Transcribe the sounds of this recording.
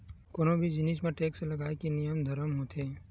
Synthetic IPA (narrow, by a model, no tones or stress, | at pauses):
koːnõbʱid͡ʒɪniːʃmẽʈeːkselɐɡaːekenɪjəmd̪ʱəɾəmɦoːt̪ʰeː